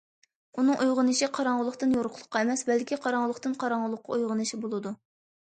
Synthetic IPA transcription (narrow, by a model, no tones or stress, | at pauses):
unɨŋʔujʁənɨʃiqʰɑɾɑŋʁəlˠːəχt̪ɨnjoɾʊqʰlˠə̥qːɑemɛsbɛlkʲʰiqʰɑɾɑŋʁəlˠəχt̪ɨnqʰɑɾɑɴʁəlˠəqːɑujʁənɨʃibolˠɨd̪u